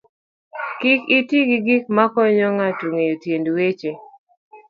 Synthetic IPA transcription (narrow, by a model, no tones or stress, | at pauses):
kikitiɡiɡik̚makɔɲɔŋatuŋejotjendwet͡ʃe